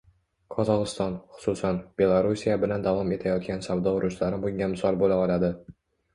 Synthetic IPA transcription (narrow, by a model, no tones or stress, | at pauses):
kʰɒzɒʁɨst̪ɒnχʊ̥susanb̥e̞lˠaɾusijabɪland̪avɒme̞t̪ʰajɒt̪̚kʲansavd̪ɒʊɾʔʊʃlaɾɪbʊŋʲamɪsɒlbolaɒlad̪ɪ